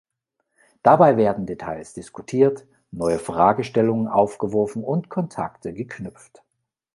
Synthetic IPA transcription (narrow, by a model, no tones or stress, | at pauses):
d̥abaɪveːɐdn̩detʰaɪsd̥ɪskʰutʰiːɐt | nɔʏəfʁ̥aːɡəʃtɛlʊŋənʔa̰ʊfɡ̥əvɔɐfn̩ʊntkʰɔntʰa̰ktʰəɡəkʰnʏp͡ft